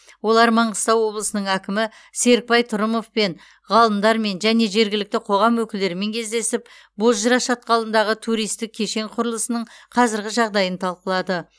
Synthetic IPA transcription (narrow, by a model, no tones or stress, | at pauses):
wo̞lˠɑɾmɑɴʁəst̪ɑwwo̞blˠəsənəɴækʲɪmɪ | se̞ɾk̚pɑjt̪ʰʊɾəmo̞fpe̞n | ʁɑlˠəmd̪ɑɾme̞nʒæne̞ʒe̞ɾɡʲɪlɪk̚t̪ɪqʰo̞ʁɑmwɵkʲɪld̪e̞ɾɪme̞ŋkʲʰe̞zd̪e̞sɪp̚ | bo̞zʒəɾɑʃɑt̪̚qɑlˠənd̪ɑʁət̪ʰuɾijst̪ɪk̚ʲʰːe̞ʃe̞ŋqʰʊɾəlˠəsənəɴqʰɑzɪɾɡʲɪʒɑʁd̪ɑjənt̪ʰɑlˠqəlˠɑd̪ə